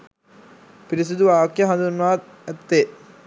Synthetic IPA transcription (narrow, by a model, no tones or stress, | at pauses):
piɾis̬ud̪uʋaːkjɐɦɐ̃nd̪unːʋaːt̪ | æt̪ːe